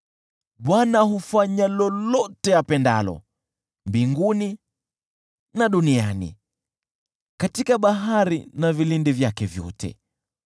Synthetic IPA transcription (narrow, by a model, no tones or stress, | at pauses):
ɓwanahufaɲalɔlɔtɛjapɛnda̰lɔ̰ | mbiŋɡuni | naɗunianḭ | katikaɓaɦaɾinavilindivjakɛvjɔ̰tʰɛ̰